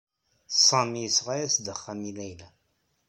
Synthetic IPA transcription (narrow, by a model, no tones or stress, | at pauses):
sˤɑmiəsʁajæsd̪əχːæmilæjlæ